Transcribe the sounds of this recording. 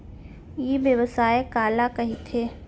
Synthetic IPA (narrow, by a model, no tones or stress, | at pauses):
jeʋjəʋəsaːekaːlakɐɦit̪ʰeː